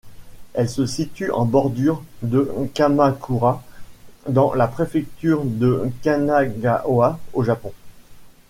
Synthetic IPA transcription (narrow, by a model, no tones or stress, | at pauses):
ɛlsəsit̪yʔɑ̰̃bɔʁd̪yʁd̪əkamakʰuʁa | d̪ɑ̃lapχefɛk̚t̪yːʁd̪əkanaɡaʔoaoʒapɔ̃